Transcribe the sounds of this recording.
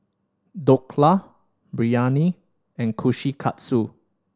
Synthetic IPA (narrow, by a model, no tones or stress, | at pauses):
dokʰla | bɹiani | ɛ̃nkʰuʃikʰa̰tsu